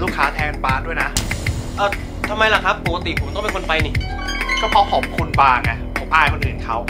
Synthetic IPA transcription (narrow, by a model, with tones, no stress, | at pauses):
luː˥˩kʰːaː˩˦˥t̪ʰɛː˧kpaː˧du˥˩jna˦˥ʔɤː˧˩ | t̪ʰa˧mːa˧jla˨˩kʰa˦˥pbo˨˩ka˧t̪i˨˩pʰo˩˦t̪ɔ˥˩ŋ˨pe˧nko˧nfa˧jniː˧˩ | kɔː˥˩pʰa˦˥pʰɔː˨˩˦mkʰu˧nbaː˧ŋa˧˩pʰo˩˦mʔaː˧jkʰo˧nʔɯː˨˩nkʰa˦˥w